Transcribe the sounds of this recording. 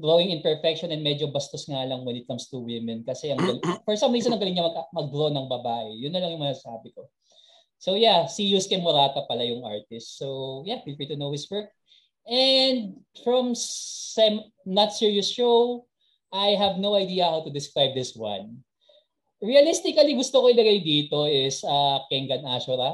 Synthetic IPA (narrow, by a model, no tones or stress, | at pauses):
ɡɹowɪŋɪ̃npɛɹfɛkʃɔnɛ̃nmɛd͡ʒobɐst̪osŋalɐŋwɛnɪt̪̚kɐmst̪uwɪmɛ̃nkɐsɛʔɐŋɡɐlfɔɹsɐ̃mis̬ɐnɐŋɡɐlɪŋɲɐmɐɡʔɐmɐɡ̚ɡɾonɐŋbɐbaːʔɛjʊnːɐlɐŋjʊŋmɐŋasaːbɪko | sowjasijuskɛmɔɾaːt̪ɐpɐlajʊŋʔa̰ɹt̪ɪst̪sowjapɹifɛɹt̪unowhɪswɜɹk̚ | ʔɛnd̪̚fɹɐmsɛm | nɐt̪siɹijʊsʃow | ʔajɦɐvnowɐjd̪iːɐhawt̪ʊd̪ɪskɹajb̚d̪ɪswɐ̰n | ɹiɐlɪst̪ɪkɐliɡʊst̪okoɪlɐɡajd̪iːt̪o̞ɪsɐkɛŋɡɐnʔaʃʊɾɐ